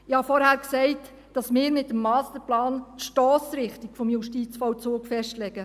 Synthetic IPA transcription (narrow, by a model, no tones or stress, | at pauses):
ɪhɑfɔɾhæːɾksɛɪt | d̥ɑsmɪːɾmɪtːəmːɑːstəɾplɑːntʃtɔːsɾɪχtikfɔmjuʃtiːt͡sfɔwt͡suːkfɛʃtlɛɡ̥ə